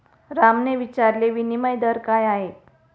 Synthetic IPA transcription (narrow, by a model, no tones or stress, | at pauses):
ɾamneʋit͡ɕaɾleʋiniməjd̪əɾkajaɦet̪